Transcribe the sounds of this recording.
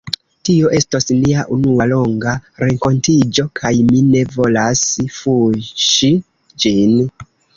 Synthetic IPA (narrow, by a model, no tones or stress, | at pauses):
tio̞ʔe̞stosniaʔunualo̞ŋɡaɾe̞ŋko̞ntid͡ʒo̞kʰajmine̞vo̞lasfuʃi | d͡ʒin